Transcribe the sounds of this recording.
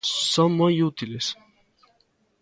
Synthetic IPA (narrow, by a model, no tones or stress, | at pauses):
səmɔjut̪iles